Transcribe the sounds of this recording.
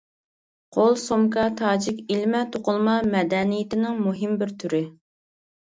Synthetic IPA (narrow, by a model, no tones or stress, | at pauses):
qʰolˠsomkɑt̪ʰɑːd͡ʒɪkʲilmɛt̪ʰoqʊlˠmɑmɛd̪ɛnijɪt̪ɪnɪŋmuɦɪmbɪɾt̪ʰyɾɪ